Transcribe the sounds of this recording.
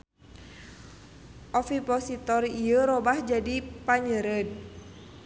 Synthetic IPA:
ʔɔfipɔsit̪ɔriəɾɔbahd͡ʒadipaɲəɾəd̚

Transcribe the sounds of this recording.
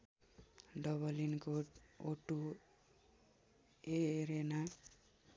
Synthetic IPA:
ɖʌβʌlinkoʈoʈu | eɾena

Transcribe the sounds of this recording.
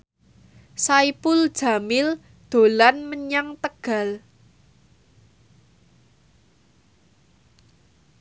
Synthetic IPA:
saipʊld̥ʒ̥a̤mɪl | d̪̥o̤lanməɲaŋt̪əɡ̥a̤l

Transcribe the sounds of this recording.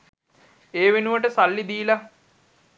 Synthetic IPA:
eːʋenuʋəʈəsalːid̪iːla

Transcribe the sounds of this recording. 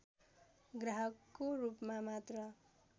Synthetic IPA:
ɡraɦʌkːorupmamat̪rʌ

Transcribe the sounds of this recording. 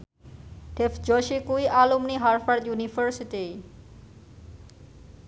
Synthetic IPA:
ʈefd͡ʑɔʃekujʔalomniɦaɾfaɾd̪junifəɾsiʈij

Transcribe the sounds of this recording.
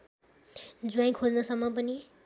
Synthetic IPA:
d͡zuaj̃kʰod͡znʌsʌmːʌp̬ʌni

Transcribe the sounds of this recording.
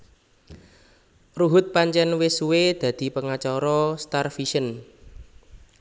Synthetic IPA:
ruɦʊt̪̚paɲt͡ʃɛnwɪsuwed̪̥ä̤d̪̥i̤pəŋat͡ʃɔɾɔst̪arfiʃən

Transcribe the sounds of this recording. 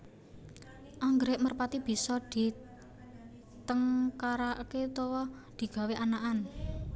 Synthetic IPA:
ʔaŋɡɾeʔmərpat̪ib̥i̤sɔd̪̥i̤ | t̪əŋkaɾaʔket̪owɔ | d̪̥i̤ɡ̥a̤weʔanaʔan

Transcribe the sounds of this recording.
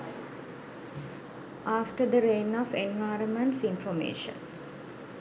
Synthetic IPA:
ʔaːfʈəd̪əɾẽːnɔʋẽnʋaɪɾənmə̃ɳʈsĩnfɔmḛːʃə̰̃n

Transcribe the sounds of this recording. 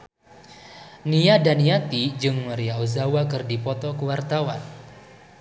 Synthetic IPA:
niadaniat̪id͡ʒɨŋməɾiaozawakɨrdipɔt̪ɔkəwart̪awan

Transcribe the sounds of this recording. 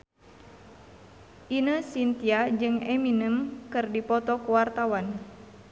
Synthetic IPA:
ʔinəsint̪iad͡ʒɨŋɛminəmkɨrdipɔt̪ɔkuwart̪awan

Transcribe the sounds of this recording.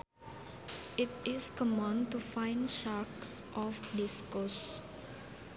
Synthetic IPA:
ɪtɪskɔmɔ̃ntufãɪ̃nʃaksʔɔfɖɪskɔs

